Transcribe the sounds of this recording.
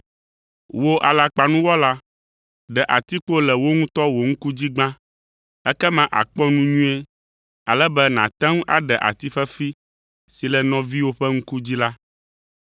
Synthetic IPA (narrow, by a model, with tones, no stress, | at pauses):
wo˦ʔa˨la˨k͡pa˨nũ˦wɔ˦la˦ | ɖɛ˨ʔa˨t̪i˦k͡po˦lɛ˨wo˦ŋũ˦t̪ɔ˦wo˨ŋ̩̃˦ku˦d͡ʑi˦ɡ͡bã˦ | ɛ˦kɛ˦mã˦ʔa̰˨k͡pɔ˦nũ˦ɲũ˦e˦ | a˨lɛ˦bɛ˦nã˨t̪ɛ̃˦ŋ˦ʔa̰˨ɖɛ˨ʔa̰˨t̪i˦fɛ˦fi˦ | si˨lɛ˨nɔ̃˨vi˦wo˦ɸɛ˦ŋ̩˦ku˦d͡ʑi˦la˦